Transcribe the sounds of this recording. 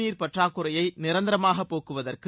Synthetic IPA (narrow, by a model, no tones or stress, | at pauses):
iːɾpɐʈraːkːɯrɐjɐɪnɪɾɐnd̪ɪɾɐmaːɣɐpːoːkɯʋɐðɐrkɯ